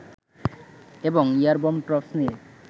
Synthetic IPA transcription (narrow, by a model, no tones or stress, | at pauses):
eboŋiaɾbomʈɾɔpsnie